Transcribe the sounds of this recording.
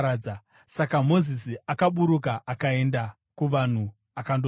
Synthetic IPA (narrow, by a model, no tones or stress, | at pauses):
a | sakamo̞zisiakaɓuɾukaʔakae̞nda | kuʋan̤u | akando